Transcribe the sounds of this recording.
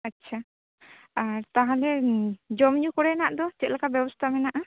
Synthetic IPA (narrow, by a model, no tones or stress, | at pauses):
ətːʃʰa | aɾt̪aɦalɛd͡ʒɔmɲukɔɽɛnaʔd̪ɔt͡ʃɛt̪̚lakabjɛbɔst̪ʰamɛnaʔa